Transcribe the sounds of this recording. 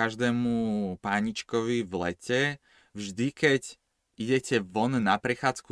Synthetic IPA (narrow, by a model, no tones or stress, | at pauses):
aʒd̪ɛːmupaɲit͡ʃkɔʋivlɛ̰cʰɛ | vʒd̪ikɛc | iɟɛcɛʋɔnnapɾɛxaːt͡sku